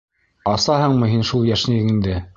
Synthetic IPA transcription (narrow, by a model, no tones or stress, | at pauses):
ɑsɑhɤɴmɤ̆ɦinʃulˠjæʃniɡɘŋind̪ɘ